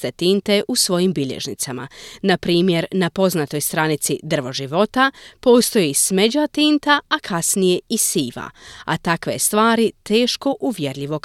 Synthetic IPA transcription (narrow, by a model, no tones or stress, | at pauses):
t̪et̪iːnt̪e̞ʔusʋo̞jimbiʎḛʒnḭt̪sama̰napɾiːmje̞ɾnapo̞znat̪o̞jst̪ɾanit̪sid̪r̩ʋo̞ʒiʋo̞t̪apo̞ːst̪o̞jisme̞d͡ʑat̪int̪aakʰasnije̞isiːʋa̰a̰t̪akʋe̞st̪ʋaːɾit̪e̞ːʃko̞ʔuʋje̞ɾʎʲiʋo̞k